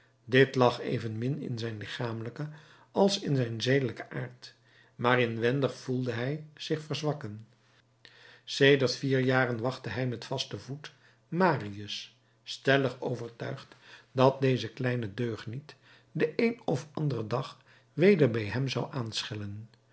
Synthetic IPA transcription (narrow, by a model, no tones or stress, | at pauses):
dɪtlɑχḛjvənmɪnɪ̰nzɛjnlɪχaːmələkə | ɑlˠsɪnzɛjnzejdələkəʔaːɹt | maːrɪnʋɛndəχfulˠdəɦɛjz̥ɪχfəɹzʋɑkən | seːdəɹtfiːɹjaːrənʋɑχtəɦɛjmɛtfɑstəvut | maːriəs | stɛləχo̰wvəɹtœɥχtdɑt̚dejzəklɛjnədøːχnit | dəʔejnɔfɑndərədɑχ | ʋejdəɹbɛjɦɛmzɑwʔaːnsχɪlən